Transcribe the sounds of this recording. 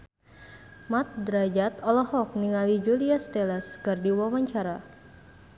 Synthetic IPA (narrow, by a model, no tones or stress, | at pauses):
mat̪̚d̪ɾad͡ʒat̪ɔlɔhɔk̚niŋalid͡ʒuliast̪elaskɨrdiwawaɲt͡ʃaɾa